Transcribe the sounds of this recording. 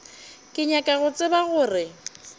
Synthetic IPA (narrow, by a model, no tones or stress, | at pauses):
kʼɪɲakʼaɣʊt͡sʼɪbaɣʊːrɪ